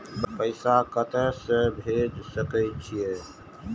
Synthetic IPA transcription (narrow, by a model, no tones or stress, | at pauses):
ppəɪsakət̪əsə̃bʱed͡ʒsəkəjt͡ʃʰije